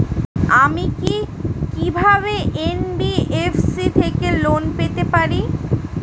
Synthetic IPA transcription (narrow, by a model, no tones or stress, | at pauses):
amikikibʱaβeʔenbiefsit̪ʰekelonpet̪epaɾi